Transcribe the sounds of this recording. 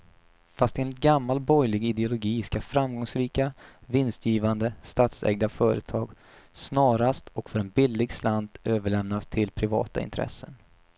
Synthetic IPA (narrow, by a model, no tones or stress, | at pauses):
fast̪eːnɪt̪̚ɡamːalbɔjlɪɡɪd̪ɛʊlʊɡiːskafɾamɡɔŋsɾiːkavɪnst̪jiːvand̪əst̪aːt̪sɛ̰ɡ̚d̪afœːɾə̰t̪ʰɑːɡ | snɑːɾast̪ɔkfœɾɛnbɪlːɪɡsland̪øːvəɭɛmnast̪ʰɪlpʰɾɪvɑ̰ːt̪a̰ɪ̰nt̪ʰɾɛ̰sːən